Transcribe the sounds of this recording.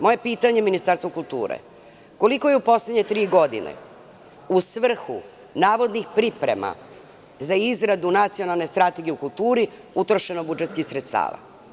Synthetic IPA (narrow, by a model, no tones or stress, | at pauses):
mo̞je̞piːt̪aɲe̞minist̪aɾst̪okulˠt̪ṵːɾḛ | ko̞liko̞jeupo̞sled̪ɲe̞t̪ɾiːɡo̞d̪ḭnḛ | usʋr̩xṵ | naːʋo̞d̪nixpɾipɾḛma̰ | zaizɾad̪unat̪sio̞nalˠne̞st̪ɾat̪e̞ɡijeukulˠt̪uːɾi | ut̪ɾoʃe̞nobud͡ʒet̪skixsɾet̪st̪a̰ːʋa̰